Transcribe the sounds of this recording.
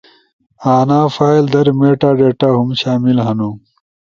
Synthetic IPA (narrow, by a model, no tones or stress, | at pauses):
aːnaːfaːild̪ɐɾmeːʈaːɖeːʈaɦumɕaːmilɦɐnu